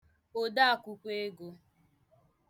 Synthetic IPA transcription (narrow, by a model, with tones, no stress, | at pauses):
o˦da˦a˨kʷu˦kʷe˦e˦ɡo˨